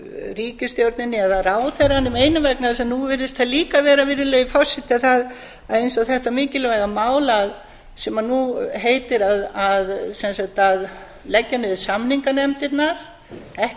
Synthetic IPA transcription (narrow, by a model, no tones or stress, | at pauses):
ɾiːcɪst̪jowɾt̪nɪnːɪaθaðraːwθɛɾanːɪmeːjnʏmvɛknaðasɛmnuvɪɾðɪst̪θaliːkavɛːɾavɪɾðɪleːjɪfɔr̥sɪht̪ɪaθað | aðejnsaθɛht̪amɪːcɪlɛvɛɣamaːwlað | sɛmannːuɦeːjt̪ɪɾaðaðsɛnsakt̪að | lɛcːanʏvɪsamniŋkanɛmt̪ɪt̪naɾ̥ | ɛh